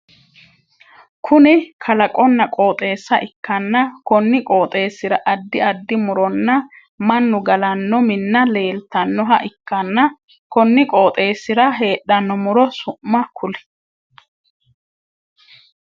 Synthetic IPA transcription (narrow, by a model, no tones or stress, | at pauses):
kʰʊnɪkʰɐlɐkʼɔnːɐkʼo̞ːt̪ʼe̞ːsːɐʔɪkːɐnːɐkɔnːɪkʼo̞ːt̪ʼe̞ːsːɪɾɐʔɐd̪ːɪɐd̪ːɪmʊɾɔnːɐ | mɐnːʊɡɐlɐnːɔmɪnːɐle̞ːlt̪ɐnːɔɦɐ̰ʔɪkːɐnːɐ | kɔnːɪkʼo̞ːt̪ʼe̞ːsːɪɾɐɦe̞ːɗːɐnːɔmʊɾɔsʊʔːɐkʰʊlɪ̥